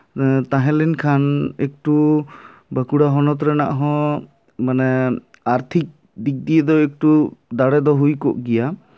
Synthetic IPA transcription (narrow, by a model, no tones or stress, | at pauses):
t̪aɦɛ̃linkʰanɛk̚ʈu | bəkuɽaɦɔnɔt̪ɾɛna̰ʔɦɔ̃ | manɛ | aɾt̪ʰik̚ | d̪ik̚d̪ijɛd̪ɔɛk̚ʈud̪aɽɛd̪ɔɦujkɔʔɡija